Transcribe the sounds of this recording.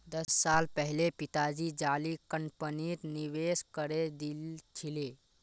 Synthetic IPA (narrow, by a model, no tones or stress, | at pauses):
d̪əsːalpəɦlepit̪ad͡ʒid͡ʒalikəɳpəniɾniʋeskəɾed̪ilt͡ʃʰile